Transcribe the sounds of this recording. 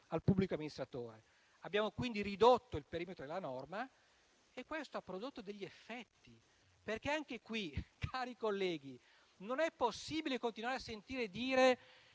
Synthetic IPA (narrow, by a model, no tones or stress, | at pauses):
alpubːlikoamːinist̪ɾat̪oːɾe | abjaːmokwind̪iɾid̪ot̪ːoilpeɾiːmet̪ɾod̪elːanɔrma | ekːwest̪oapːɾod̪ot̪ːod̪eʎːiefːɛt̪ːi | perk̟eaŋk̟ekwikʰaːɾikolːɛːɡi | nonɛpːosːiːbilekont̪inwaːɾeasːent̪iːɾed̪iːɾe